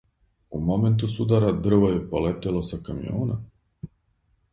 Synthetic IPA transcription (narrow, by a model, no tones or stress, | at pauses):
umo̞ment̪usud̪aɾad̪r̩ʋojepolet̪elˠosakamḭjo̰ːna